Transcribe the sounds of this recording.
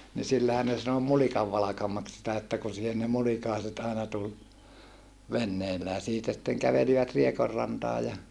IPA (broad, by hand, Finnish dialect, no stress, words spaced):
ni silːæhæn ne sɑno mulikɑʋːɑlɑkɑmɑks sitæ etːæ kun̞ siːhen ne mulikɑˑeset ɑenɑ tul ʋenːeilːæː siːtæ sitːeŋ kæʋeliʋæt riekorːɑntɑː jɑ